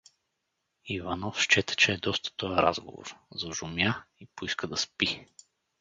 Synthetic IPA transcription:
ivanɔfʃt͡ʃɛt̪ə̥t͡ʃɛːd̪ɔst̪ə̥t̪ɔjəɾa̰zɡo̰vo̰ɾzɐʒʊmjaipoiskəd̪ɐspi

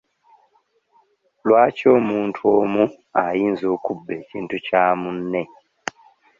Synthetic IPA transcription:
lwaːco̞ːmuːntʰuoːmu | ajiːnzo̞ːkubːe̞ːciːntucaːmunːe̞

